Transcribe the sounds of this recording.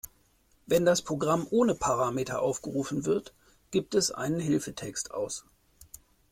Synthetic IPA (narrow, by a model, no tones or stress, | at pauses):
vɛndaspʁ̥oɡʁamʔoːnəpʰaʁaːmetʰɐ̰ʔaʊfɡ̥əʁuːfn̩vɪɐt | ɡ̥iːp̚tɛsʔa̰ɪnənɦɪlfətʰɛkstʔa̰ʊs